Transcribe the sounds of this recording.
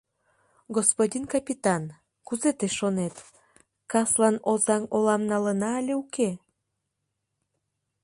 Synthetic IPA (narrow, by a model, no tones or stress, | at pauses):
ɡospodʲinkɑpʲit̪ɑn | kuzet̪eʃːonet̪ | kɑslɑnozɑmolɑmnɑlənɑlʲeuke